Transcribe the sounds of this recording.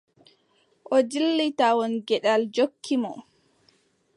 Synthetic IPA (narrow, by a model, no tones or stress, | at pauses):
ʔɔd͡ʒilːitawɔnɡɛɗald͡ʒokʰːimɔ